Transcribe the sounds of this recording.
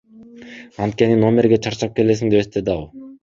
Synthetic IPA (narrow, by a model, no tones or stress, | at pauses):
ɑnt̪̚kʲe̞nino̞mʲe̞ɾɡʲe̞t͡ʃʰɑɾt͡ʃɑp̚ke̞le̞s̬iŋd̪e̞est̪ed̪ɑw